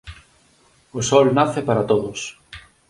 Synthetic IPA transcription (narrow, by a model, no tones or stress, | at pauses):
osɔlnaθɪpaɾat̪oðʊs